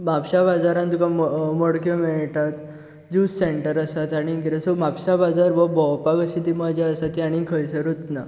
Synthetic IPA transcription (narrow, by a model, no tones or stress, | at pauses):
mapɕabad͡zaɾãnt̪ukamməɽkjɔmɛɭʈat̪ | d͡ʑusseɳʈəɾəsat̪aɽ̃iɡiɾesomapɕabad͡zaɾbəbɔwpaɡəɕit̪iməd͡ʑaəsat̪ːiaɽ̃ikʰəjsəɾut̪na